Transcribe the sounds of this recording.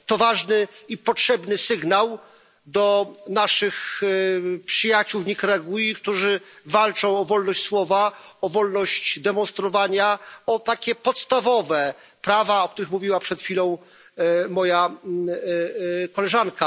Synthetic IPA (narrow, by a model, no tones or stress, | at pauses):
t̪ɔvaʐnɘipɔtʂɛbnɘsɘɡnaw | d̪ɔnaʂɘx | pʂɘjat͡ɕuwvɲikɾɛaɡujik̚t̪uʐɘvalt͡ʂɔ̃w̃ɔvɔlnɔɕt͡ɕʲswɔvaɔvɔlnɔɕt͡ɕd̪ɛmɔnst̪ɾɔvaɲaɔt̪akʲɛpɔt̪st̪avɔvɛ | pɾavaɔkt̪uɾɘxmuvʲiwapʂɛt̪fʲilɔ̃w̃ | mɔja | kɔlɛʐanka